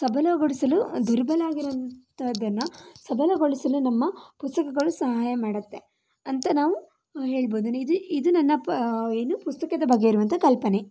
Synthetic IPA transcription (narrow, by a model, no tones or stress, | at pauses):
sɐbʱɐlɐɡoɭisɐlud̪ʱuɾbɐlaːɡiɾuʋɐnt̪ʰɐd̪ːɐnːɐsɐbʱɐlɐɡoɭisɐlunɐmːɐpust̪ɐkɐɡɐɭusɐɦaːjɐmaːɽɐt̪ːe | ɐnt̪ɐnaːʋu | ɦe̞ːɭboːd̪unuid̪uid̪unɐnːɐeːnupust̪ɐkɐd̪ɐbɐɡːeiɾuʋɐnt̪ʰɐkɐlpɐne